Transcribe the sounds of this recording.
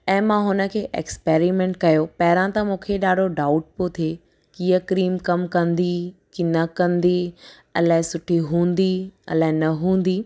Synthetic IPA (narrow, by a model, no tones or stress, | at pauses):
ɛ̃ːmãɦʊnə̆kʰeːʔḛːkspeːɾimẽɳʈkɐjopɐɦɪɾãt̪ɐmũːkʰeɗaːɖʱoɖaːʊʈ̚pot̪ʰie | kiːəkɾiːmkɐmkɐ̃nd̪ikinɐkɐ̃nd̪i | ɐlaːɦɪ̃sʊʈʰiɦũːn̆d̪iɐ̰laːɪ̃nɐɦũːn̆d̪iː